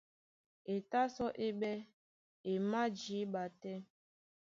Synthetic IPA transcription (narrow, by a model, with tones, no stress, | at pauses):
e˨ta˦sɔ˦ʔe˦ɓɛ˦ | e˨ma˦d͡ʒi˨˦ɓa˨tɛ˦